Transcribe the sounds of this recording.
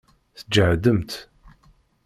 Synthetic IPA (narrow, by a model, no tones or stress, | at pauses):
θəd͡ʒəʕd̪əmt̪